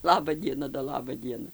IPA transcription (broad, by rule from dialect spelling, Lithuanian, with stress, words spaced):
ˈlˠɑːbɐ ˈdʲiɛnɐ doː ˈlˠɑːbɐ ˈdʲiɛnɐ